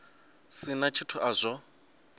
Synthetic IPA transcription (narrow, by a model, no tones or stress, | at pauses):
sɪnat͡ʃʰitʰʊʔazʷɔ